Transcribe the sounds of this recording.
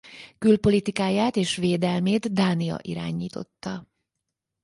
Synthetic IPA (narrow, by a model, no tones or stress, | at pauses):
kylpo̞lit̪ikaːjaːt̪eːʃʋeːd̪ɛlmeːt̪d̪aːniɒ̰ʔiɾa̰ːɲiːt̪o̞̰t̪ːɒ